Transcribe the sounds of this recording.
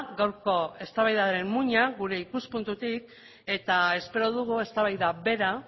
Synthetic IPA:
ɡawɾko̞e̞st̪aβajðaɾe̞mmuɲaɣuɾe̞ikuspunt̪ut̪ik̚ | e̞t̪ae̞spe̞ɾo̞ð̞uɣ̞ue̞st̪aβajðaβe̞ɾa

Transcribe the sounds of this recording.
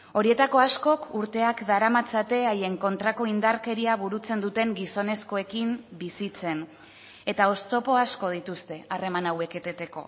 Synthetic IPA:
o̞ɾie̞t̪ako̞asko̞kuɾt̪e̞akd̪aɾamat͡sat̪e̞aje̞ŋko̞nt̪ɾako̞ind̪aɾke̞ɾiaβ̞uɾut͡se̞nd̪ut̪e̞ŋɡiso̞ne̞sko̞e̞kimbisit͡se̞n | e̞t̪ao̞st̪o̞po̞asko̞ð̞it̪ust̪e̞are̞manawe̞ke̞t̪et̪e̞ko̞̰

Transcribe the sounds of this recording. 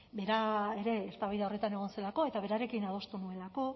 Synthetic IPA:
be̞ɾae̞ɾe̞ːst̪aβajðao̞re̞t̪ane̞ɣ̞o̞nse̞lako̞e̞t̪aβe̞ɾaɾe̞kinað̞o̞st̪unue̞lako̞

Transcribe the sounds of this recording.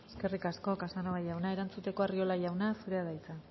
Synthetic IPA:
eske̞rikasko̞kasanoβajawnae̞ɾant͡sut̪e̞ko̞ario̞lajawnasuɾe̞aðajt͡sa

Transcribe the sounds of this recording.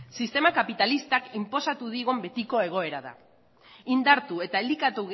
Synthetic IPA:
sist̪e̞makapit̪alist̪akimpo̞sat̪uðiɣo̞mbe̞t̪iko̞e̞ɣ̞o̞e̞ɾaða̰ | ind̪aɾt̪ue̞t̪aeld̪ikat̪uɣ

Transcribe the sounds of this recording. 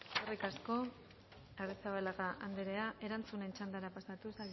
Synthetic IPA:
orikasko̞ | arisaβalaɣaʔand̪eɾe̞aʔe̞ɾant͡sune̞nt͡ʃand̪aɾapasat̪usal

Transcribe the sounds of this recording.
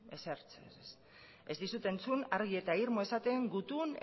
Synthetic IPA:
eseɾt͡ses | e̞zd̪isut̪e̞nt͡sunaɾɣ̞ie̞t̪aiɾmo̞e̞sat̪e̞ŋɡut̪un

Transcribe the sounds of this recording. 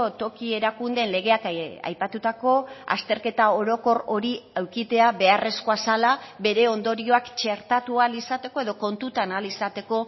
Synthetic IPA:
ot̪o̞kie̞ɾakund̪e̞nle̞ɣ̞e̞aka̰jpat̪ut̪ako̞a̰st̪e̞ɾke̞t̪ao̞ɾo̞ko̞ro̞ɾiawkit̪e̞aβe̞are̞sko̞asalabe̞ɾe̞o̞nd̪o̞ɾio̞akt͡ʃe̞ɾt̪at̪ualisat̪e̞ko̞e̞ð̞o̞ko̞nt̪ut̪analisat̪e̞ko̞

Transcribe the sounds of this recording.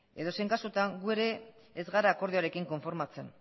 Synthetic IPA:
e̞ðo̞se̞jŋkasut̪aŋɡue̞ɾe̞ː | zɣaɾaːko̞ɾðioaɾe̞kiŋko̞ɱfo̞ɾmat͡se̞̰n

